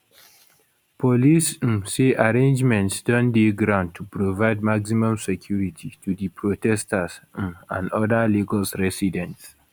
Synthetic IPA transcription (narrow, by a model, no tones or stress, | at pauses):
pʰɔlisseʔaɹẽnd͡ʒmɛ̃ntsdɔ̃ndeɡɾãʊ̃nd̚tʰːupɹovaɪd̚maksimɔ̃msɛkʰjuɹitʰitʰudipʰɹotɛstasã̰ndɔdaliɡɔlsɹɛsidɛ̃nts